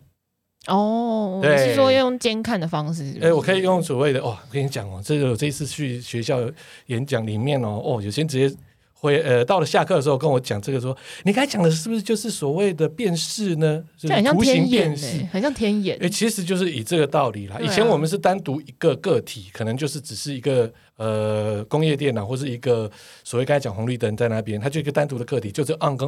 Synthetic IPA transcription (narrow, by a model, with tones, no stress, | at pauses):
ɔ˥˩t̪we˥˨ɪ˥˩wɔ˥jjo˥˩ŋt͡ɕjɛ˥nkʰa˥˩nd̪ə˩fɑ˦ŋʂɻ̩˥˩˥ɛ˥˩wɔ˨kʰɤ˧˥i˨˩jo˥˩ŋswɔ˨˩we˥˧ɪd̪ə˩ʔɔ˥˧˩kʰɤ˧˥˩i˥t͡ɕja̰˨˩ŋɔ˨˦ʈ͡ʂə˥˩˧jo˨˩ʈ͡ʂɤ˥˧i˧t͡s̩ʰ˥˧t͡ɕʰy˥˩ɕɥɛ˧˦ɕjɑ˥˩ʊ | jɛ˧˦nt͡ɕjɑ˨˩ŋli˨˩mjɛ˥˩nɔ˨ɔ˥˩jo˨˩ʊt͡ɕʰjɛ˧˥nʈ͡ʂɻ̩˧t͡ɕjɛ˥˧ | xwe˧˦ə˧t̪ɑ˥˩ʊlə˩ɕja˥˧kʰɤ˥˩ə˩ʂ̬̩˧xo˥˧ʊkə˦˥nwɔ˧˦t͡ɕja˨˩ŋʈ͡ʂɤ˥˩ɡə˩ʂwɔ˦ni˨˩kʰa˥ɪt͡ɕja˨˩ŋd̪ə˩ʂ̬ɻ̩˥˩bu˩ʂ̩˥t͡ɕjo˥˧ʊʂɻ̩˥˩swɔ˨˩we˥˩ɪd̪ə˩pjɛ˥˧nʂɻ̩˥˩nə˩˥˧ɕɑ˥˨u˧˥ɕi˧˥ŋpjɛ˥˧nʂɻ̩˥˩ə˨˩nɕjɑ˥˨ŋt̪ʰjɛ˥nɛ˨˦ɛ˥˩t͡ɕʰi˧˥ʂɻ̩˧˦t͡ɕjo˥˧ʊʂ̬ɻ̩˥˩i˨˩ʈ͡ʂɤ˥˩ɡə˩t̪ɑ˥˩ʊli˨˩la˦ʔi˨t͡ɕʰjɛ˧˦nwɔ˨˩mə˨nʂ̬ɻ̩˥˩t̪a˦nt̪u˧˥i˧˥ɡ̥ə˨kɤ˥˩t̪ʰi˨˩˦kʰɤ˨˩nɤ˧˦ŋt͡ɕjo˥˧ʊʂ̬̩˥˩ʈ͡ʂɻ̩˨˩ʂɻ̩˥˩i˧˥ɡə˨ | ə˨kʊ˥ŋjɛ˥˧t̪̬jɛ˥˩na˨˩xwɔ˥˧ə˧ʂɻ̩˥˩i˧˥ɡə˨ | swɔ˨˩we˥˩kɑ̃˥˩t͡ɕɑ˨˩ŋwɑ˧˥ŋly˥˧t̪ə˧˥nt͡sa˥˧ɪna˥˧˩pjɛ˥˦nt̪ʰa˥t͡ɕo˥˧˥ɡə˧t̪a˥nt̪u˧˥d̪ə˨kɤ˥˩t̪ʰi˨˩t͡ɕo˥˧ʂ̬̩˥˧ʔɑ˥˧ŋko˥˦